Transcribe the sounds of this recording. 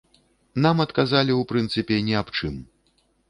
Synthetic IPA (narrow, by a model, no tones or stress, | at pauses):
namɐt̪kazalʲiwpɾɨnt̪sɨpʲɛnʲɛapt͡ʂɨm